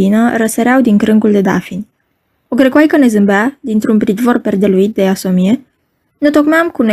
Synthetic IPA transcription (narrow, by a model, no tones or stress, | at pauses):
inəɾəseɾeawd̪iŋkɾɨŋɡuld̪e̞d̪a̰finʲ | oɡɾekwajkəne̞zɨmbad̪int̪ɾunpɾit̪vorpe̞rd̪e̞luit̪̚d̪e̞asomije | nut̪o̞kmeamkune